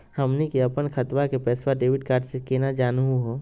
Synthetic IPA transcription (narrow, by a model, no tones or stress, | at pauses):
həmnikeɐpənkʰət̪ʋakepɛːswaɖeːʋɪɖkaːɾɖsekeːnad͡ʒaːnuɦuɦoː